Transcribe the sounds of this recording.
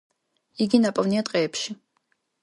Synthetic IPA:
iɡʲinapʼɐvniat̪ʼqʼɛːpʰʃi

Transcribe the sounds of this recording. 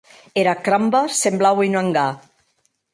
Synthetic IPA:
eɾakɾambasemblawinaŋɡa

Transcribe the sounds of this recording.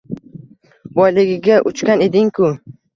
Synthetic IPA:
bɒjlɪɡʲɪɡʲaʔʊt͡ʃkʲane̞d̪ɪŋkʰʊ

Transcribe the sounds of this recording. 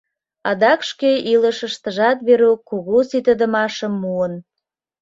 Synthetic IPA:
ɑd̪ɑkʃkeʔiləʃəʃt̪əʒɑt̪βeɾokoɣosit̪əd̪ə̆mɑʃəmːuən

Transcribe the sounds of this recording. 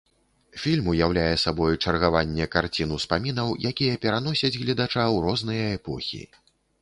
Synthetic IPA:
fʲilʲmujawlʲajɛsabɔjut͡ʂɐrɣavanʲːɛkart͡sʲin̪uspamʲinɐwjakʲijɐpʲɛɾanɔsʲɐd͡zʲɣlʲɛd̪at͡ʂawɾɔznɨjɐɛpɔxʲḭ

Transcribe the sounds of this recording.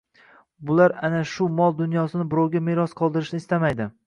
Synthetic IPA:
bʊlaɾanaʃʊmɒlˠd̪ʊnjɒsɪnɪbɪɾɒwɡʲameɾɒsqʰɒlˠd̪ɪɾɪʃnɪːst̪amajd̪ɪ

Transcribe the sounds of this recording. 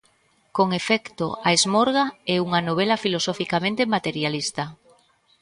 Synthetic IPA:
koŋefɛkt̪oaezmɔɾɣaɛuŋanoβ̞ɛlɐfilosɔfikamẽnt̪emat̪eɾjalist̪ɐ

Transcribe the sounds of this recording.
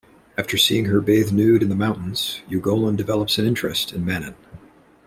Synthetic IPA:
æftə˞sḭɪ̃ŋə˞beɪðnʉɾɨ̃nðəmãʊ̃nʔn̩z̥jʉɡoʊlˠə̃ndɨvɛlˠəpsɨ̃nɪ̃nt͡ʃɹ̥ɨstʰɨ̃nmænɨ̰̃n

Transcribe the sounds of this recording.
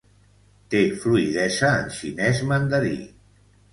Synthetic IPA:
t̪efluiðɛzəːnʃinɛzmənd̪əɾḭ

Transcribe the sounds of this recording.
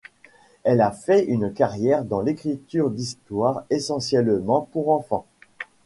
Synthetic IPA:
ɛlafɛʔynkaʁjɛʁd̪ɑ̃lekχit̪yʁd̪ist̪waʁesɑ̃sjɛlmɑ̃puʁɑ̃fɑ̃

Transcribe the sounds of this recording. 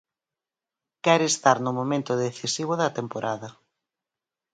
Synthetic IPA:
kɛɾest̪aɾnʊmomẽnt̪ʊðeθisiβ̞ʊðɐt̪empoɾʔaðɐ

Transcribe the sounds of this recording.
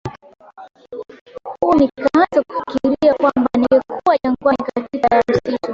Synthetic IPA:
huːnikazaku̥fi̥kiɾiakwambaniɛkʰuwaʄaŋɡwaikatikajam̩situ

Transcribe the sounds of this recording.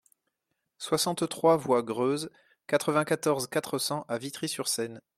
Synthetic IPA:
swasɑ̃t̪t̪χwavwaɡʁøz | kat̪χəvɛ̃kat̪ɔʁzkat̪χəsɑ̃ʔavit̪χisyʁsɛn

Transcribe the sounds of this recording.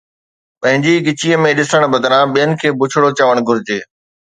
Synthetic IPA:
pɐ̃ɦɪ̃ɲd͡ʑiɡɪt͡ɕiəmẽɗɪsəɽ̃bɐd̪ɾãɓijənɪ̆kʰeːbʊt͡ɕʰɽot͡ɕəːʋəɽ̃ɡʱʊɾɪd͡ʑeː

